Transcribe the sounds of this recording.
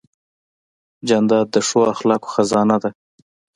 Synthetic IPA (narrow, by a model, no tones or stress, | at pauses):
d͡ʒand̪ɑd̪ːəʂoaxlɑko̥xazɑnad̪a